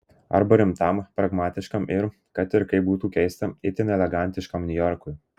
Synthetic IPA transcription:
ɐ̰ɾbɐɾʲɪmt̪ɐmpɾɐɡmɑːt̪ʲɪʃkɐmʔɪɾ | kɐt̪ɪɾkɐɪbuːt̪uːkʲɛɪst̪ɐɪt̪ʲɪnʲɛlʲɛɡɑˑnʲt̪ʲɪʃkɐmnʲʊjɔɾkʊj

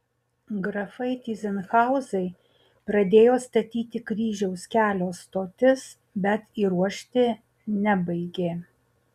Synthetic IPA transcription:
ɡɾɐfɐɪt̪ʲiːzʲɛnxɑˑʊzɐɪ | pɾɐd̪ʲeːjoːst̪ɐt̪ʲiːt̪ʲɪkɾʲiːʒʲɛʊskʲæːlʲoːst̪oːt̪ʲɪs | bʲɛt̪iːɾuɔʃʲt̪ʲɪ | nʲɛbɐɪɡʲeː

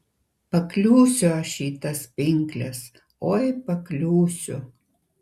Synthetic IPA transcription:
pɐklʲuːsʲʊɐʃiːt̪ɐspʲɪŋʲklʲɛs | oːɪpɐklʲuːsʲʊ

